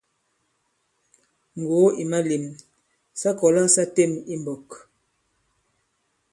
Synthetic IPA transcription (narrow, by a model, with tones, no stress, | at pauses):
ŋ̩˨ɡo˨˦i˨ma˦li˨m | sa˦kɔ˨la˦sa˦te˦˨mi˦mbɔ˨k